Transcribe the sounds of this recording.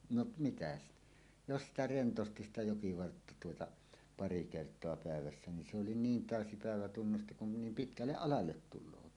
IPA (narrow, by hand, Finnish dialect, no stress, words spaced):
noʔ mitæ stæ̥ jos sitæ rentosti sitæ jokiʋɑrtːɑ tuotɑ pɑri kertˑoɑ pæˑeʋæsːæ nin se oli niːn tæˑøsi pæˑeʋæ tunːusti kun ne nim pitkælːeʔ ʔɑlɑlːet tulˑoːt